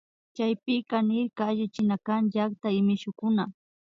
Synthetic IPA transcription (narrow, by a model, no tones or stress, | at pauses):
t͡ʃajpɪkanɪɾkaːʎɪt͡ʃɪnakanʎakt̪aɪmɪʃʊkʊna